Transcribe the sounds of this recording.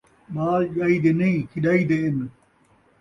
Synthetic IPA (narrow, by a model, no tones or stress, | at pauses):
maːʄaːid̪enɐĩkʰiɗaːid̪eːn